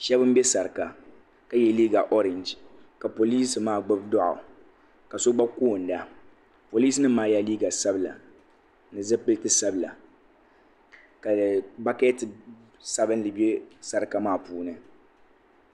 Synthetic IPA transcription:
ʃɛ˦bɨ˦m̩˦bɛ˦sa˨ɾɨ˨ka˨ | ka˨jɛ˦liː˦ɡa˨ʔo˦ɾɛ˨nd͡ʒka˨po˨liː˦sɨ˨maː˦˨ɡ͡bɨ˦bdɔ˦ʔʊ̰˨ | ka˨so˦ɡ͡ba˦ko˦˨n̩˨da˨ | po˨liː˦snɨ˦maː˦ja˦liː˦ɡa˨sa˦bɨ˨la̰˨ | nɨ˨zɛ˦pɨ˦ltɨ˦sa˦bɨ˨la̰˨ | ka˨ba˦kɛ˦tɨ˨ | sa˦bɨ˦n˦lɨ˨be˦sa˦ɾɨ˨ka˨maː˦˨puː˦nɨ˨

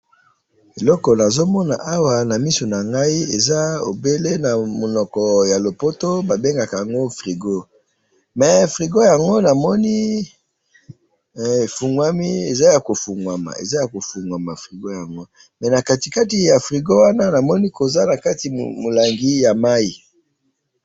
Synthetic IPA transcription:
e˨lɔ˦kɔ˨na˨zo˦mɔ˦na̰˨ʔa˦wa˨na˨mi˦so˨na˨ŋɡa˦i˦e˨za˦o˨be˦le˦na˨mo˨nɔ˨kɔ˨ja˨lo˨po˦to˦ba˨be˦ŋɡa˨ka˨ja˨ŋɡo˦fʁi˨ɡo˦ | mɛ˨fʁi˨ɡo˦ja˨ŋɡo˦na˨mɔ˦ni˦˨ | fu˨ŋɡwa˦mi˦e˨za˦ja˨ko˨fu˨ŋwa˨ma̰˨ḛ˨za˦ja˨ko˨fu˨ŋɡwa˨ma˨fʁi˨ɡo˦ja˨ŋɡo˦ | mɛ˨na˨ka˦ti˨ka˦ti˨ja˨fʁi˨ɡo˦wa˦na˦na˨mɔ˦ni˦ko˨za˦na˨ka˦ti˨mo˨la˨ŋɡi˦ja˨ma˦i˨

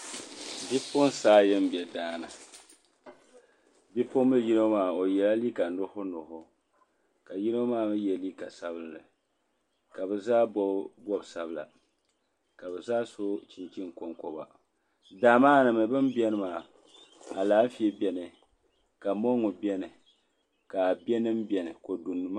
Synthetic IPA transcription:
bi˦pʊ˦n˦saː˦jɛ˦m˦bi˨ɛ˨daː˦na̰˨ | bi˦pʊ˦mːɨ˦ji˦no˦maː˨o˨jɛ˨la˦li˦ka˨nʊ˦hʊ˦nʊ˨hʊ˦ | ka˨ji˦no˦maː˦mɨ˦jɛ˨li˦ka˨sa˦bɨ˦lnɨ˨ | ka˨bɛ˨zaː˦bɔ˦bsa˨bɨ˨la̰˨ | ka˨bɛ˨zaː˦so˦t͡ʃi˨nt͡ʃi˦ŋ˨ko˨ŋkɔ˨ba̰˨ | daː˨maː˦nɨ˨mɨ˨bɨ˦m˦bɛ˦nɨ˦maː˨ | a˨laː˦m̩˦fi˦e˦bɛ˨nɨ˨ | ka˨mo˦ŋʊ˨bɛ˦nɨ˨ | ka˨bɛ˦nɨ˦m˦bɛ˨nɨ˨ko˨du˨nːɨ˦m˦

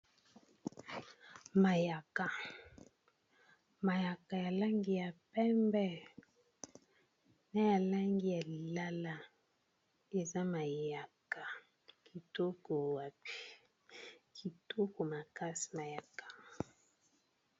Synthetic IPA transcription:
ma˨ja˨ka˨ | ma˨ja˨ka˨ja˨la˦ŋɡi˦ja˨pɛ˦mbɛ˦ | na˦ja˨la˦ŋɡi˦ja˨li˨la˦la˦ | e˨za˦ma˨ja˨ka˨ | kʰi˨to˦ko˨wa˨pi̥˦ | kʰi˨to˦ko˨ma˨ka˦si̥˨ma˨ja˨kḁ˨

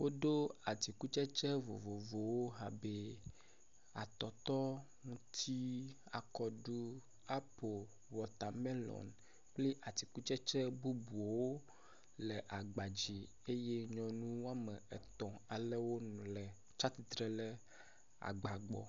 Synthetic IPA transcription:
wo˦ɖo˦a˨t̪i˨ku˦t͡ʃɛ˦t͡ʃɛ˦vo̰˨vo˨vo˨wo˦ɦa˨be˦ | a̰˨t̪ɔ˨t̪ɔ˦ŋũ˦t̪ʰi˦ | a˨kɔ˨ɖu˦ | a˦po˨ | wɔ˨t̪a˨mɛ˦lɔ̰̃˨n | k͡ple˦ʔa˨t̪i˨ku˦t͡ʃɛ˦t͡ʃɛ˦bu˦bu˨o˨wo˦ | lɛ˨ʔa˨ɡ͡ba˨d͡ʑi˨ | e˦je˦ɲɔ̃˨nũ˦wo˦a˦mɛ˨ɛ˨t̪ɔ̃˨a˨lɛ˦wo˦nũ˨lɛ˨ | t͡ʃa˦t̪i˨t̪ɾɛ˨lɛ˦ | a̰˨ɡ͡ba˨ɡ͡bɔ̰˨

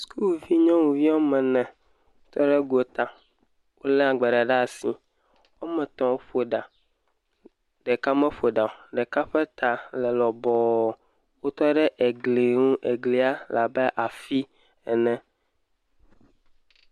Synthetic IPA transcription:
skʰu˦lvi˦ɲɔ̃˦wu˨vi˦wo˦mɛ̃˨nɛ̃˨˦ | t̪ɔ˦ɖɛ˦ɡo˨t̪a˨ | wʔo˦lɛ˦a˨ɡ͡bɛ˨ɖa˨ɖa˦˨si˨ | wo˦mɛ̃˨t̪ɔ̃˨wo˦ɸo˨ɖa˨ | ɖɛ˨ka˦mɛ̃˦fo˨ɖa˨o˨ɖɛ˨ka˦ɸɛ˦t̪a˨lɛ˨lɔ˨bɔ˨ | wo˦t̪ɔ˦ɖɛ˦ʔe˨ɡle˨ŋũ˦ʔe˨ɡli˨a˦la˨bɛ˦ʔa˨fi˦ | ɛ˨nɛ̃˦

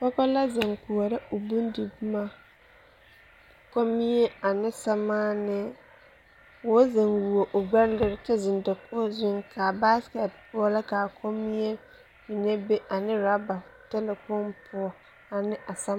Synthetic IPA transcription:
pɔ˦kɔ˦la˦za˨ŋku˨ɔ˨ɾɪ˦ʔo˨bu˦n˦di˨bu˦ma˦ | ko˦mi˦je˦a˨nɪ˦sa˦maː˦nɪ˦ | wo˦za˨nwu˨o˨ʔʊ˨ɡ͡ba˦n˦lɪ˦ɾɪ˦tɛ˦zɪ˨nda˨pʰo˦zʊ˦ŋkʰa˨ba˦skɛ˨t̚pʊ˦ɔ˦la˦kaː˨kʰo˦mi˦e˦ | mi˨ne˦be˦ʔa˨nɪ˦ɾa˦ba˨tɛ˦lɛ˨kɔ˦mpʰʊ˦ɔ˦ | a˨nɪ˦ʔa˨sa˦

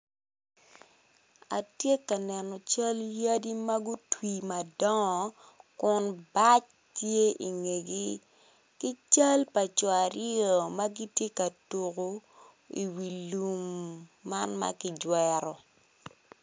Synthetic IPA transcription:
a˨tje˦ka˨nɛ˨nɔ˨t͡ʃa˦lja˦di˦ma˦ɡu˦twi˨ma˨dɔ˦ŋɔ˨ | kʊ˦nba˦t͡ʃ | tje˦ʔi˨ŋe˨ɡi˦ | ki˦t͡ʃa˦lpa˨t͡ʃɔ˨a˨ɾɪ˦o˨ma˦ɡi˦tje˦ka˨tu˨ko˦ | i˨wi˨lu˨mːa˦nma̰˦kɪ˦d͡ʒwɛ˦ɾɔ˨

